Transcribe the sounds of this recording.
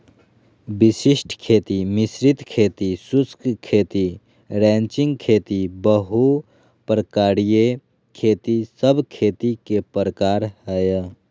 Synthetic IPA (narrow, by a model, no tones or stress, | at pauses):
bɪsɪʃʈʰkʰeːt̪imɪsɾɪt̪kʰeːt̪isʊskkʰːeːt̪i | ɾɛ̃ːnt͡ʃɪ̃ŋɡkʰeːt̪ibəɦu | pɾəkaːɾije | kʰeːt̪isəbkʰeːt̪ikepɾəkaːɾɦəj